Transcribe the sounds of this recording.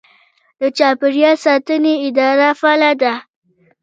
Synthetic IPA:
d̪̥ət͡ʃapiɾijasat̪uniɪd̪aːɾafalad̪a

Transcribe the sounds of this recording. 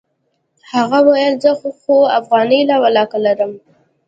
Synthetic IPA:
haɣawajəlzəxxoafɣɑnəjlawalɑkalaɾəm

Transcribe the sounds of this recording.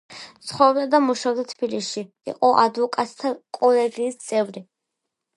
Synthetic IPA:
t̪sχɔɾɔbd̪ad̪amuʃavd̪at̪ʰb̥iliʃi | ḭqʼɔʔad̪vɔkʼat̪t̪ʰakʼɔlɛɡiːst̪sʼɛvɾi

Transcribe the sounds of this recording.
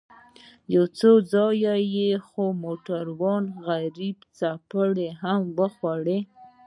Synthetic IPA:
jawt͡sod͡zɑjajexomoʈaɾwɑnɣaɾibt͡sapəɽeɦamwəxwaɽe

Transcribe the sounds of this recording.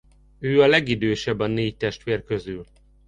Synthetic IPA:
øːɒlɛɡid̪øːʃɛbɒneːct̪ɛʃt̪ʋeːrkøzyl

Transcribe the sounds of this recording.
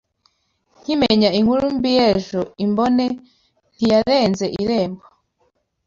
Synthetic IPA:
ŋ̥imeɲaiŋuɾumbijeʒoimbone | n̥hijaɾeːnzeʔiɾeːmbo

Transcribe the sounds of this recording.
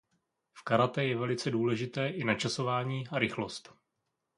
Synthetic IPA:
fkaɾat̪ɛjɛvɛlɪt͡sɛduːlɛʒɪt̪ɛːʔɪnat͡ʃaso̞vaːɲiːʔaɾɪxlo̞st̪

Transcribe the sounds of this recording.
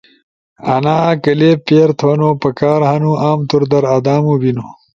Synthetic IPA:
ɐnaːkɐleːpeːɾt̪ʰwɐnoːpɐkaːɾhɐnuʔaːmt̪uɾd̪ɐɾɐd̪aːmubino

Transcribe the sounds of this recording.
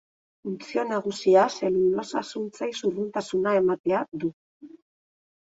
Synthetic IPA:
funt͡sio̞naɣ̞usiase̞lulo̞sasunt͡sajsurult̪asunae̞mat̪e̞ad̪u

